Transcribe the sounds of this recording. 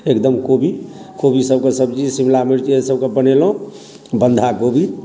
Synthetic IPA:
ekd̪əmkobʱi | kobʱisəbkesəbd͡ʒisimlamiɾt͡ʃesəbkebənelɦũ | bənd̪ʱakobʱi

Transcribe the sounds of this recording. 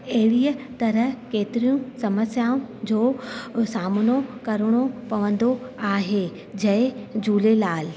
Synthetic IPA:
ɐɦɪɽijət̪ɐɾəɦkeːt̪ɪɾijũsɐməsjaːũd͡ʑoːsaːmnokɐɾəɽ̃opɐʋə̃nd̪oaːɦe | d͡ʑɐɪd͡ʑuːlelaːl

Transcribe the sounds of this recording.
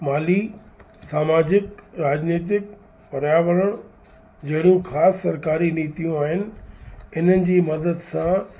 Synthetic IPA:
maːli | saːmaːd͡ʑɪkɾaːd͡ʑniːt̪̬ɪk̚ | pɐɾjaːʋəɾəɽ̃ | d͡ʑɐɦɪɽ̃ũxaːsːɐɾkaːɾiniːt̪ijũaːɦɪnɪ̆ɪnənɪ̆d͡ʑiːmɐd̪əd̪sã

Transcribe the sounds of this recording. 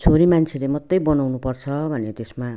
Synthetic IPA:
t͡sʰoɾimant͡sʰelemʌt̪ːʌjbʌnawnupʌrt͡sʰʌbʱʌnet̪esma

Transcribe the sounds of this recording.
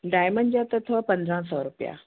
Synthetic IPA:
ɖajməɳd͡ʑat̪ət̪ʰʋɔpə̃nd̪ɾãsɔɾupja̰

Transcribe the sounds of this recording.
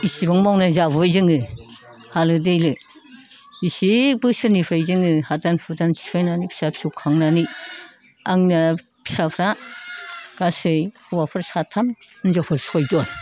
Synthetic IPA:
isibaŋmawnazabɔjzɯŋɯ | halɯdɯjlɯ | bisibɯsɯɾnipʰɾajzɯŋɯhatanpʰutansi̥pʰajnanipʰi̥sapʰsukʰaŋnani | aŋna | pʰi̥sapʰɾa | ɡ̥asɯjhɯwapʰɯɾsatʰamnzapʰɯɾsɔjzɔn

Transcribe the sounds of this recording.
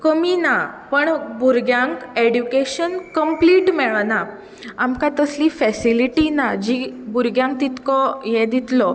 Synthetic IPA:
kəminapəɳbʱuɾɡjãŋkeɖjukeɕənkəmpliʈmɛɭna | amkãt̪əslifɛsiliʈinad͡ʑibuɾɡjãŋk̚t̪it̪kɔjɛd̪it̪lɔ

